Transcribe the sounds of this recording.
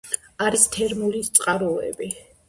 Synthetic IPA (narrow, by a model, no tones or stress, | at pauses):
aɾist̪ʰɛɾmulit̪sʼqʼaɾɔɛ̰bi